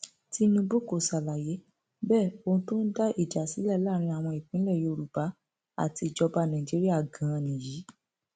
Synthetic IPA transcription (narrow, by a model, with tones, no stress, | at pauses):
ti˦nũ˧bu˦˨ko˨sa˨la˨je˨˦ | bɛː˦˨o˧ũ˧˦to˦n̩˦da˦ʔi˦˨d͡ʒa˨si˨˦lɛ˦˨la˦˨ɾ̃ĩ˧a˨w̃ɔ̃˧i˨k͡pĩ˨˦lɛ˦˨jo˧o˧ɾu˨ba˨˦ | a̰˦˨ti˧˨d͡ʒɔ˧ba˧nã˨d͡ʒi˨˦ɾi˦a˦˨ɡã˨˧˨nĩ˨ji˨˦